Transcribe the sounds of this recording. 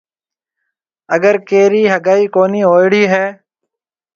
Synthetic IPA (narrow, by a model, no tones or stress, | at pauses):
əɡəɾkeːɾiːɦəɡaːiːkoːniːɦoːɪɽiːɦɛː